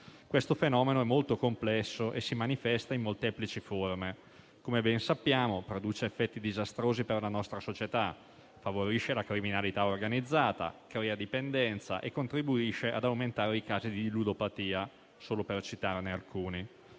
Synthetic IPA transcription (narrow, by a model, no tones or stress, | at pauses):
kwest̪ofenɔːmenoɛmːolt̪okomplɛsːoʔesimanifɛst̪aimːolt̪ɛːplit͡ʃiforme | komebɛnsapːjaːmopɾod̪uːt͡ʃeːfːɛt̪ːid̪izast̪ɾoːziperlanɔst̪ɾasot͡ʃet̪a | favoɾiʃelakɾiminalit̪aorɡanid̪zːaːt̪a̰kɾɛːad̪ipend̪ɛnt̪sa̰ʔekːont̪ɾibuiʃeʔad̪awment̪aːɾeikaːzid̪ilud̪opat̪iːa | soːlopert͡ʃit̪arnealkuːni